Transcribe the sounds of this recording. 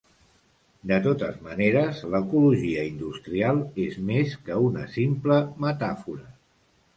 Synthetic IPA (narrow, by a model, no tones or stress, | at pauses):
d̪ət̪ot̪əzməneɾəzləkuluʒiəind̪ust̪ɾialˠezmeskəunə̰simpləmət̪afuɾə